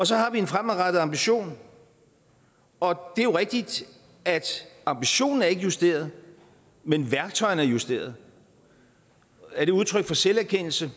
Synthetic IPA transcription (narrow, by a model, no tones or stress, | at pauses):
ɒ̽sɒ̽hɑ̈ʋie̝nfʁamæʁɑd̥ð̩ˠɑ̈mb̥iɕo̝̰ːn | ɒ̽d̥e̝æjo̝ʁɛɡ̥̚d̥id̥ | æd̥ɑ̈mb̥iɕo̝̰ːnn̩æɐe̝ɡ̥əjusd̥e̝̰ːɐð̞ˠ | menʋæɐɡ̥̚t͡sʰɒ̽ɪn̩æɐjusd̥e̝̰ːɐð̞ˠ | æɐɾ̥e̝uð̞ˠt͡sʰʁœɡ̥fɒ̽selæɐkʰen̰l̩sə